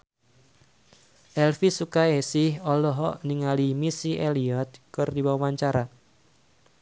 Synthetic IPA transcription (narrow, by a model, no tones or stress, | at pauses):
ʔɛlfisukaesɪhɔlɔɦɔʔniŋalimisiʔeliɔt̪̚kɨrdibawawaɲt͡ʃaɾa